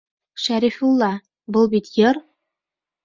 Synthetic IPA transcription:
ʃæɾifulˠːɑ | bɤlˠbit̪jɤɾ

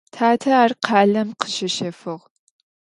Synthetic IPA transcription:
tʰaːtʰɐːrqʰaːlɐmqʰə̥ʃɐʃɐfɨʁ

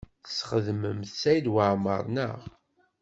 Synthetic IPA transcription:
θə̥sχəðməmθsæjd̪waʕmə̰ɾˤnə̰ʁ

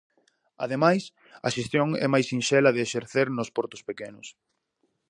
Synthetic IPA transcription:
ɐðemajs | ɐ̰ʃest̪joŋɛ̰majsinʃɛlɐðɪːʃeɾθeɾnʊspɔɾt̪ʊspekenʊs

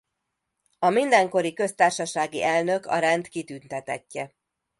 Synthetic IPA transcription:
ɒmind̪ɛŋko̞ɾikø̞st̪aːrʃɒʃaːɡiʔɛlnø̞kɒ̰ɾɛnt̪kit̪ynt̪ɛt̪ɛ̰cːɛ

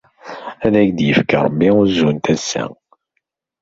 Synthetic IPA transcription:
æðæçd̪jəfkaɾˤəbːiuzːunt̪æsːæ̰

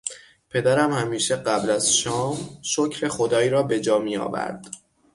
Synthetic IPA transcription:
pʰe̞d̪æɾæmhæmiːʃeɢæblæz̥ʃɒːmʃocʰɾe̞xo̞d̪ɒːiːɾɒːbe̞d͡ʒɒːmijɒ̰ːvæ̰ɾd̪̥

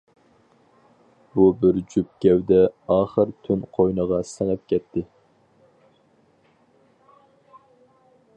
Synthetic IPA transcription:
b̥ubɪɾd͡ʒyp̚kʲɛwd̪ɛɑːχəɾt̪ʰynqʰojnəʁɑsəŋəp̚kʲʰɛt̪ʰːɪ

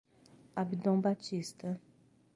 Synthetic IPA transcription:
abid̪õbat͡ʃist̪ɐ

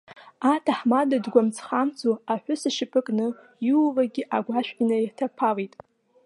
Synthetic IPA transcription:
atʰaħmadadɡʷamt͡sʰχamt͡sʰʼuaħʷᶣʊsɨʃɪpʰʼɨkʼnɨ | juwvaɡʲɪʔaɡʷaʃᶣʕinajtʰapʰalijtʼ

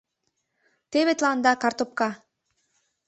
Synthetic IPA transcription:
t̪eβet̪lɑnd̪ɑkɑrt̪op̚kɑ

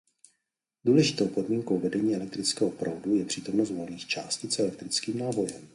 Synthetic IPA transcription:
duːlɛʒɪt̪owpo̞dmiːŋko̞wvɛdɛɲiːɛlɛk̚t̪ɾɪt͡skɛːɦopɾowdujɛpr̥iːt̪o̞mnost̪volniːxt͡ʃaːscɪt͡sɛlɛk̚t̪ɾɪt͡skiːmnaːvo̞jɛm

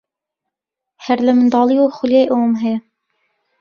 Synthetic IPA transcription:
hɛɾlɛmɨnd̪ɑːlˠijoːxuljejʔoːmɦɛjɛ

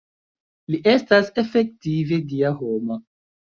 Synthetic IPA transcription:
liʔe̞stase̞fek̚tive̞diaɦoma

